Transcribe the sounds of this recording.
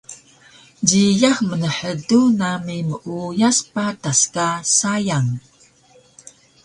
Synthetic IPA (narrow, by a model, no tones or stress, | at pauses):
ɟijaxmənəħədunamiməʔujaspataskasajaŋ